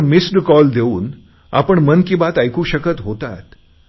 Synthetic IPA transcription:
misɖkɔld̪euːn | a̰pəɳmənkibat̪ajkuːɕəkət̪ɦot̪at̪

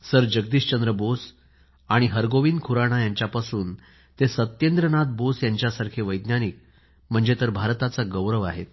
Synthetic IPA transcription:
səɾd͡ʑəɡ̚d̪iːɕt͡ɕənd̪ɾəbos | aɽ̃iɦəɾɡoʋiːnkʰuɾaɽ̃ajaɲt͡ɕjapasuːn | t̪esət̪jend̪ɾənat̪̚bosjaɲt͡ɕjasaɾkʰeʋəjd̪njanik̚ | m̤əɳd͡zet̪əɾbʱaɾt̪at͡saɡəwɾəʋaɦet̪

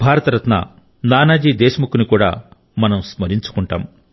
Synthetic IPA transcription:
bʱaːɾɐt̪ɐɾɐt̪na̰ | naːnaːd͡ʒiːd̪ɛːʃɐmukunikuːɽa̰ː | mɐnɐmsmɐɾiɲt͡ʃu̥kuɳʈa̰ːm

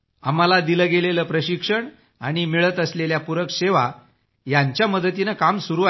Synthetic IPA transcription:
a̰malad̪iləɡeleləpɾəɕikʂəɳ | a̰ɽ̃imiɭət̪əsleljapuɾəkɕeʋa | jaɲt͡ɕjaməd̪ət̪inakamsuɾuːa

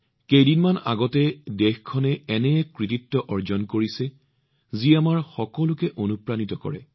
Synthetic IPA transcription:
kejdinmana̰ɡɔtɛdexkʰɔnɛɛnɛjɛkɹititːɔʔɔɹzɔnkoɹisɛ | ziamaɹxɔkɔlʊkɛʔonupɹanitɔkɔ̰ɹɛ̰

